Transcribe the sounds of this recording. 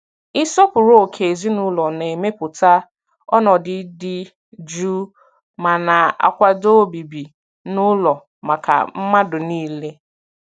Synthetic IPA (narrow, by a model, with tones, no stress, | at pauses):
ɪ˦sɔ˦pʊ˨ɾo˦˨kʰe˨zi˦nʊ˦lɔ˨ne˨e˨me˦pʊ˨ta˦ | ɔ˦nɔ˨dɪ˨˦dɪ˦ | d͡ʒu˦ | ma˨na˨a̰˨kʷa˦do˦bi˨bi˨ | nʊ˦lɔ˨ | ma˨ka̰˨m̩˦ma˦dʊ˨niː˦le˦